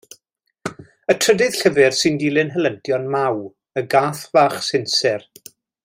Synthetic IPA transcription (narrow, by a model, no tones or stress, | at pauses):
ətʰr̥ədɨð̥ɬəvɨrsɨndilˠɨnɦəlˠəntʰjɔnmaw | əɡaːθv̥aːχsɪnsɛr